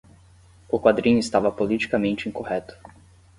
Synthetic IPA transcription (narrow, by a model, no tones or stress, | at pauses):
ʊkwad̪ɾĩɲʊɪst̪avɐpolit͡ʃi̥kɐmẽnt͡ʃɪĩkohɛt̪ʊ̥